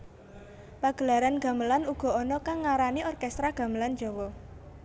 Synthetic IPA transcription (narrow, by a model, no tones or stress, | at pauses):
paɡ̥ə̤laɾanɡ̥a̤məlanuɡ̥ɔ̤ɔnɔkaŋːaɾaniɔrkɛst̪ɾaɡ̥a̤məland͡ʒ̥ɔwɔ